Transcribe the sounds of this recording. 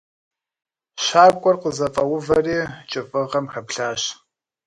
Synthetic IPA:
ɕaːb̚kʷʼɔrqəzɐfʼɐwʊvɐriːt͡ʃʼɨfʼɨʁɐmħɐpɬaːɕ

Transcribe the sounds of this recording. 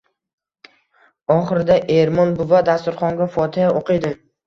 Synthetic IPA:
ɒχɨɾɪd̪aʔe̞ɾmɒnbʊvad̪ast̪ʊɾχɒŋɡʲafɒt̪ʰɪjaʔoqʰɨjd̪ɪ

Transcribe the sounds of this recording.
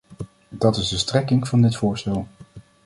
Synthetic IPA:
dɑtɪzdəstrɛkɪŋv̥ɑndɪtfʊːɹstɛlˠ

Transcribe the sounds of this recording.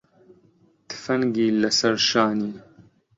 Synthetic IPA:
t̪ɨ̥fɐŋɡiːlɐsɐɾʃaːniː

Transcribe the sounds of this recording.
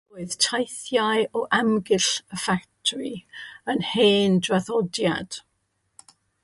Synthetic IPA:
oːɨðtʰajθjaɨɔʔamɡɪɬəfaktʰriənheːndraθɔdja̰d̥

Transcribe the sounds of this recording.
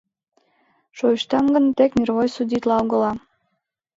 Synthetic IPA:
ʃoiʃt̪ɑmɡə̆nt̪ekmʲirβojsudʲit̪lɑlɣɤ̆lɑ

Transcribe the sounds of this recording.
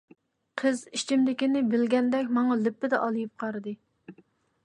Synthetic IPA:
qʰəzit͡ʃʰimd̪ɪkʲinɪbɪlɡʲɛnd̪ɛkʲmɑŋɑlɪpːɪd̪ɛʔɑlˠɨjip̚qʰɑɾɨd̪ɨ

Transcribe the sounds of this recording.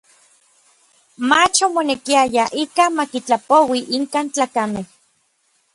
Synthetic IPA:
mat͡ʃomonekiajaʔikamakit͡ɬapowiʔiŋkaːnt͡ɬaːkameh

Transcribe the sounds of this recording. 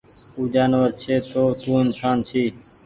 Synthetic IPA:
uːd͡ʒaːnʋəɾt͡ʃʰeːt̪oːt̪ũːɪnsaːnt͡ʃʰiː

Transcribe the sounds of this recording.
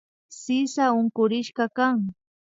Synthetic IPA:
sɪsaʊŋkʊɾɪʃkɑkaŋ

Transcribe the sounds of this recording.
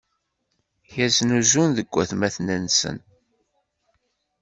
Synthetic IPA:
çæznuzunðəɡʷːæθmæθnænsə̰n

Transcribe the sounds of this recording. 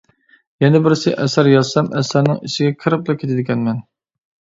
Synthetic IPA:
jɛnɪbɪɾsɪʔɛsæɾjɑsɛmɛ̰sæɾnɪŋḭʃɪɡʲɛkʰɨɾɨp̚lˠɑkʲʰet̪ʰɪd̪ɪkʲɛnmɛn

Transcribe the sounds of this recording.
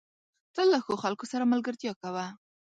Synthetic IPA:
t̪əlːaxoxalkosaɾamalɡəɾt̪jɑkawa

